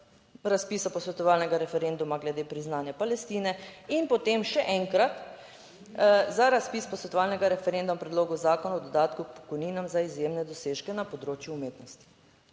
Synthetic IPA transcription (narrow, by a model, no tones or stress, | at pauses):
ɾaspiːsapɔsʋɛt̪ɔʋaːlnɛɡaɾɛfɛɾend̪umaɡlɛd̪eːpɾiznaːnjapalɛst̪iːnɛinpɔt̪emʃɛʔɛŋkɾat̪ | zaɾaspiːspɔsʋɛt̪ɔʋaːlnɛɡaɾɛfɛɾend̪umpɾɛd̪loːɡuzaːkɔnaɔd̪ɔd̪aːt̪kuk̚pɔ̥kɔjniːnamzaizjemnɛd̪ɔseːʃkɛnapɔd̪ɾoːt͡ʃjuːmeːt̪nɔst̪i̥